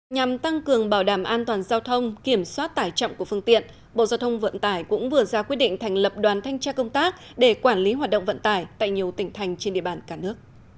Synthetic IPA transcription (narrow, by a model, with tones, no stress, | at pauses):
ɲa˨˩mt̪a˧ŋkɨ˨˩əŋɓaː˧˩wɗaː˧˩mʔaː˧nt̪waː˨˩nzaː˧wt̪ʰə˧wŋ͡mki˧˩əmswaː˦˥t̚t̪aː˧˩jt͡ɕɔ̰˧˨wŋ͡mku˧˩əfɨ˧əŋt̪ḭ˧˨ən | ɓo̰˧˨zaː˧wt̪ʰə˧wŋ͡mvə̰˧˨nt̪aː˧˩jkʊ̰˧˥ŋ͡mvɨ˨˩əzaː˧kwi˦˥ət̚ɗḭ˧˨ŋ̟t̪ʰɛ˨˩jŋ̟lə˨˩p̚ɗwaː˨˩nt̪ʰa˧jŋ̟t͡ɕaː˧kə˧wŋ͡mt̪aː˦˥k̚ | ɗe˧˩kwaː˧˩nli˨˦ɦwaː˨˩t̚ɗə̰˧˨ŋ͡mvə̰˧˨nt̪aː˧˩jt̪a̰ː˧˨jɲi˨˩əwt̪ï˧˩ŋ̟t̪ʰa˨˧jŋ̟t͡ɕe˧nɗḭ˧əɓaː˧˩nkaː˧˩nɨ˦˥ək̚